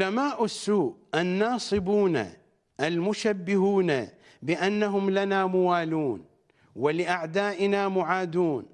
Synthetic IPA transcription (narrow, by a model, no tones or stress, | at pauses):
ʊlamaːʔɪsːuːʔʔanːɑːsˤɨbuːna̰ | ʔalmʊʃabːɪhuːna | bɪʔanːaɦʊmlanamʊwaːluːn | wɪlɪʔaʕd̪aːʔɪnamʊʕaːd̪uːn